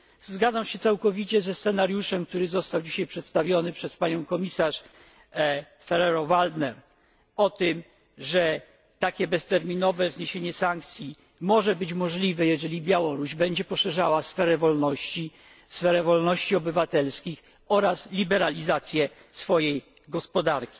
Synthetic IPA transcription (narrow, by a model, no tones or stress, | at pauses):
zɡad̪zamɕɛt̪sawkɔvʲit͡ɕɛzɛst̪sɛnaɾjuʂɛmk̚t̪uɾɘzɔst̪awd͡ʑiɕajpʂɛt̪st̪avʲjɔnɘpʂɛspaɲɔ̃w̃kɔmʲisaʂ | fɛɾɛɾɔvald̪nɛɾ | ɔt̪ɘm | ʐɛ | t̪akʲɛbɛst̪ɛɾmʲinɔvɛvzɲeɕeɲɛsaŋk̚t̪sʲji | mɔʐɛbɘt͡ɕmɔʐlʲivɛjɛʐɛlʲibʲjawɔɾuʑbɛɲd͡ʑɛpɔʂɛʐawasfɛɾɛvɔlnɔɕt͡ɕi | sfɛɾɛvɔlnɔɕt͡ɕiɔbɘvat̪ɛlskʲix | ɔɾaslʲibɛɾalʲizat̪sʲjɛ | sfɔjej | ɡɔspɔd̪aɾkʲi̥